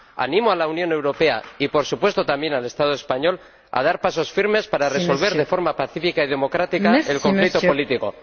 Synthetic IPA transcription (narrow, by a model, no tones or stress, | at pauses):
a̰nĩmoalaunjõ̞ne̞wɾo̞pe̞a̰ipo̞ɾsupwe̞st̪o̞t̪ambje̞nale̞st̪að̞oe̞spaɲo̞l | a̰ð̞aɾpaso̞sfiɾme̞spaɾare̞so̞lβe̞ɾðe̞fo̞ɾmapaθifikaið̞e̞mo̞kɾat̪ikaelko̞ɱflikt̪opo̞lit̪iko̞